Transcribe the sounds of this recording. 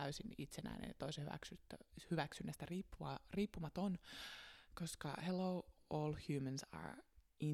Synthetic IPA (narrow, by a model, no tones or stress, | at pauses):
æysinit̪senæ̰inḛnt̪oisehyʋæ̰ksyt̪ːøhyʋæksynːæst̪æriːpːuɑriːpːumɑt̪on | koskɑ̰helowoːlhjuːmə̃nsɑ̰ɹi